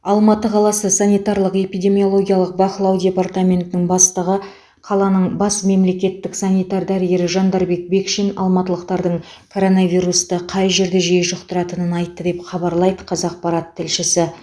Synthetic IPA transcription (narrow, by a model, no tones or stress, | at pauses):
ɑlˠmɑt̪əqʰɑlˠɑsəsanʲijt̪ɑɾlˠəqe̞pijd̪ʲe̞mio̞lˠo̞ɡʲijaɑlˠəq̚bɑχlˠɑwd̪ʲe̞part̪amʲe̞nt̪ɪnɪŋbɑst̪əʁə | qʰɑlˠɑnəɴbɑsme̞mle̞kʲe̞t̪ːɪksanʲijt̪aɾd̪æɾɪje̞ɾɪʒɑnd̪ɑɾbe̞k̚be̞kʃinɑ̰lˠmɑt̪əlˠəqt̪ɑɾd̪əɴkʰo̞ɾo̞navʲijɾust̪əqʰɑjʒe̞ɾd̪e̞ʒejʃʊqt̪əɾɑt̪ənənɑjt̪ːəd̪e̞pχɑbɑɾlˠɑjd̪əqʰɑzɑq̚pɑɾat̪ʰːɪlʃɪsɪ